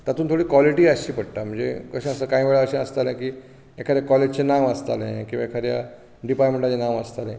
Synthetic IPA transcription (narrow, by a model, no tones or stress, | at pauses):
t̪at̪uːnt̪ʰoɽiːkʋɔliʈiːəɕiːpəɽ̚t̪am̤əɳd͡zḛkəɕẽəsəkaĩʋeɭaəɕẽəst̪alẽkiː | ekʰaɾjakɔled͡ʑt͡ɕenaʋəst̪a̰lḛ̃kĩʋaekʰaɾja | ɖipaɾmẽɳʈat͡ɕenaməst̪alḛ̃